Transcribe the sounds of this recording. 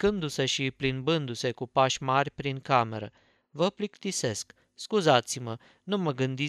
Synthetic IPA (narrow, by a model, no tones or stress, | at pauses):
kɨnd̪use̞ʃiplinbɨnd̪use̞kupaʃʲmarʲpɾiŋkame̞ɾə | vəplikt̪ise̞sk | skuzat̪simə | numəɡɨnd̪i